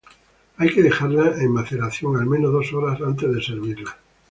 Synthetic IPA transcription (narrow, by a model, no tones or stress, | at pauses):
ajkeðexaɾlaemmaθelaθjoŋalmẽnoðo̞soɾasant̪e̞zðeseɾβ̞iɾla